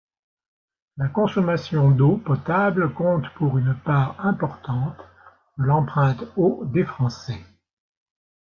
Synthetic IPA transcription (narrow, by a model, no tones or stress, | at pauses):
lakɔ̃sɔmasjɔ̃d̪opɔt̪ablkɔ̃t̪puʁynpaːʁɛ̃pɔʁt̪ɑ̃t̪ | d̪̥əlɑ̃pχɛ̃t̪od̪efχɑ̃sɛ